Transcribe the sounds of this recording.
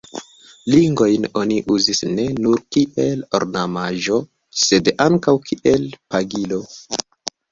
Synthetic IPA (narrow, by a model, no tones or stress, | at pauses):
liŋɡo̞jno̞niʔuzisne̞nuɾkiʔe̞lo̰ɾnamaʒo̞ | se̞daŋkawkʰiʔe̞lpaɡilo̞